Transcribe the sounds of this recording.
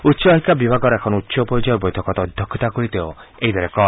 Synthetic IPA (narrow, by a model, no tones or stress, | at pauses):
utːʃɔaɦikːabibʱaɡɔɾɔekʰɔnɔut̪ːʃɔpɔɾid͡ʒɔjɔɾbojt̪ʰɔkɔt̪ɔɔd̪ʱjɔkʰːɔt̪akoɾit̪eo | eɦid̪aɾekɔ